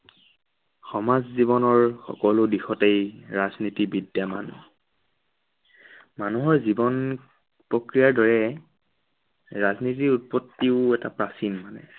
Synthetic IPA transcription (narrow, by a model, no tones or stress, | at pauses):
xɔmazziβɔnɔɹxɔ̰kɔlʊdixɔtejɹaznitibidjama̰n | manuɦɔɹzibɔn | pɹɔkɹijaɹdɔɹɛ | ɹaznit̬iut̚pɔtːiʊɛtapɹasinmanɛ̰